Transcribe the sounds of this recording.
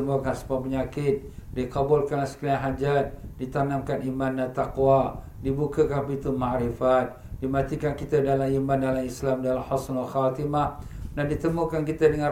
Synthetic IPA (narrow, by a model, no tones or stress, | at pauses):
əmuakansə̥pap̬əɲakɪt̪̚dikabulkanlsə̥kilaŋɦad͡ʒat̪̚dit̪anamkanimandat̪aqwa | dibukakanpit̪umaʕɾifat̪̚dimat̪ikankit̪adalamimandalamislamdaalhɔsnalxat̪imahdandit̪əmukankit̪adəŋã